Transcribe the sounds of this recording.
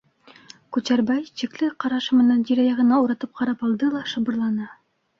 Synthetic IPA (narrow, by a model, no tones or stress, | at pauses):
kʉt͡ɕæɾbæjɕiklɘqɑɾɑʃɤmɘ̆nænʑiɾæjɑʁɤ̆nɑuɾɑt̪ɤp̚qɑɾɑpɑlˠd̪ɤlˠɑʃɤ̆bɤ̆ɾlˠɑnɤ